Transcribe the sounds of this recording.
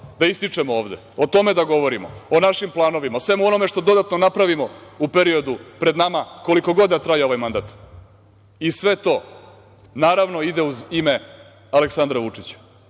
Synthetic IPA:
d̪aist̪it͡ʂemooːʋd̪e̞̰ | ot̪o̞me̞d̪aɡo̞ʋo̞ɾimo̰onaʃimplˠaːno̞ʋimaosʋe̞muo̞no̞meʂt̪o̞d̪o̞d̪at̪no̞napɾaʋimoupeɾio̞d̪upɾe̞d̪namako̞liko̞ɡo̞d̪d̪at̪ɾajeo̞ʋajmand̪aːt̪ | isʋe̞t̪o̞ | naːɾaʋno̞id̪euzime | aleksand̪ɾaʋut͡ʂit͡ɕḁ

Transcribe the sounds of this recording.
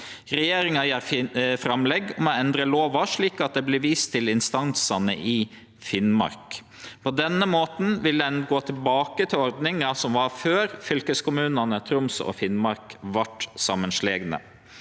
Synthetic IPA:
ɾɛjeːɾɪŋɑjæːɾfɾɑmlɛɡːɔmɔɛnd̪ɾəloːʋɑʂɭiːkɑt̪̚d̪ɛblɪʋiːst̪ʰːɪlɪnst̪ɑnsɑnə̰ʔɪ | fɪnmɑ̰ɾk | pʰɔd̪ɛnːəmoːt̪n̩ʋɪləɛnɡoːt̪ʰɪlbɑːkət̪ʰɪlɔɾd̪nɪŋɑsɔmʋɑɾføːɾfʏlkəskʊmʉːnɑnət̪ʰɾʊmsɔ̰fɪnmɑɾkʋɑʈsɑmːənʂleːɡnə̰

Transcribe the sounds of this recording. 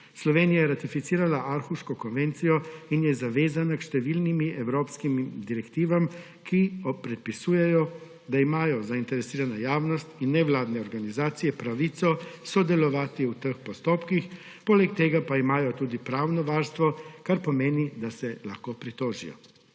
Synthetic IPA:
slɔʋeːnijajɛɾat̪ifit̪siːɾalaʔaɾxuʃkɔkɔnʋeːnt̪sijɔinjɛzaʋeːzanakʃt̪ɛʋiːlnimiʔɛwɾoːpskimd̪iɾɛkt̪iːʋam | kʰiɔpɾɛt̪̚pisuːjɛjɔ | d̪aimaːjɔzaint̪ɛɾɛsiːɾanajaːwnɔst̪inːɛʋlaːd̪nɛɔɾɡanizaːt̪sijɛpɾaʋiːt̪sɔsɔd̪ɛlɔʋaːt̪iut̪əxpɔst̪oːpkix | poːlɛkt̪eːɡapaimaːjɔt̪uːd̪ipɾaːwnɔʋaːɾst̪ʋɔkaɾpɔmeːnid̪asɛla̰xkoːpɾit̪oːʒḭjɔ̰

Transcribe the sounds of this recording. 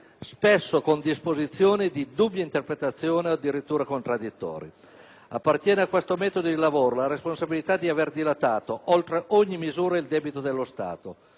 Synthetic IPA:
spesːokond̪ispozit̪sːjoːned̪id̪ubːjaint̪erpɾet̪at̪sːjoːnead̪iɾit̪ːuːɾakont̪ɾad̪ːit̪ːɔ̰ːɾḭ | apːart̪jɛːneakːwest̪omɛːt̪od̪od̪ilavoːɾolaɾesponsabilit̪ad̪iaverd̪ilat̪aːt̪oʔolt̪ɾeʔoɲːimizuːɾaild̪ɛːbit̪od̪elːost̪a̰ːt̪o

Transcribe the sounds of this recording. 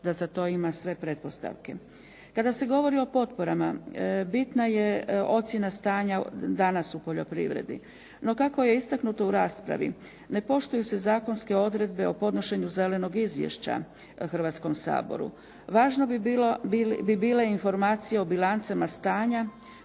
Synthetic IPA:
d̪̥azat̪o̞ːimasʋe̞pɾe̞t̪po̞st̪a̰ʋke̞ | kad̪ase̞ɡo̞ʋo̞ɾio̞po̞t̪po̞ɾamabit̪naje̞o̞t̪sjenast̪aːɲad̪anasupo̞ʎo̞pɾḭʋɾḛd̪ḭ | no̞kako̞je̞ist̪aknut̪o̞uɾaːspɾa̰ʋḭ | ne̞po̞ʃt̪ujuse̞zaːko̞nske̞o̞d̪ɾe̞d̪be̞o̞po̞d̪no̞ʃe̞ɲuze̞le̞no̞ɡizʋjḛʃt͡ɕa̰ | xr̩ʋat̪sko̞msa̰ːbo̰ɾṵ | ʋaːʒnolbibiːleinfo̞ɾmaːt̪sijeo̞bilˠant̪semast̪aːɲa

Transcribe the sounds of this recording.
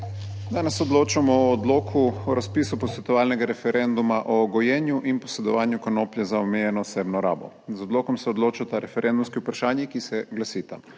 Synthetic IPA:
d̪aːnɛsːɛɔd̪loːt͡ʃamɔɔːd̪loːkʰuɔɾaspiːsupɔsʋɛt̪ɔʋaːlnɛɡaɾɛfɛɾɛnd̪umaʔɔːɡɔjɛːnjuʔinpɔsɛd̪ɔʋaːnjukanopljɛzaɔmɛjɛnɔːsebnɔɾa̰ːbɔ̰ | zɔd̪loːkɔmsɛɔd̪loːt͡ʃat̪aɾɛfɛɾʔɛnd̪umskiupɾaʃaːnjikisɛɡlasiːt̪a

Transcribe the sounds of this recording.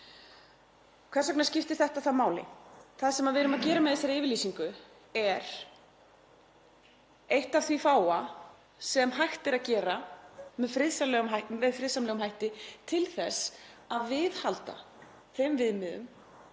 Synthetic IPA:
kʰvɛsaknaɾ̥scɪft̪ɪɾ̥θɛht̪aθamaːwlɪ̰θaðsɛmaðvɪɾʏmaðcɛːɾamɛðɛsːaɾɪːvɪɾliːsiŋkʏ | ɛɾ̥ | ejht̪av̥θvifaːwa | sɛmɦajxt̪ɪɾaðcɛːɾamɛðfɾɪðsalɛːɣʏmamɛðfɾɪðsamlɛːɣʏmɦajht̪ɪt̪ʰɪlθɛsaðvɪðhalt̪a̰ | θejmvɪðmɪðʏ̰m

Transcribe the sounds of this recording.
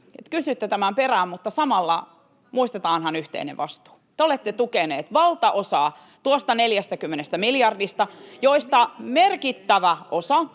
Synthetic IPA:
ḛt̪kysyt̪ːet̪æmæmperæːmmut̪ːɑsɑmɑlːɑ | muist̪et̪ɑːnhɑnyht̪ḛinḛʋʋɑst̪u̥ːt̪eolet̪ːet̪ukeneːt̪ʋɑlt̪ɑʔosɑː | t̪uost̪ɑneljæst̪ækymːenest̪æmiljɑrdist̪ɑjoist̪ɑmerkit̪ːæʋæʔosɑ

